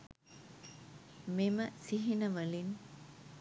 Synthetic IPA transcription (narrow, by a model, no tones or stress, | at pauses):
meməsiɦinəʋəlin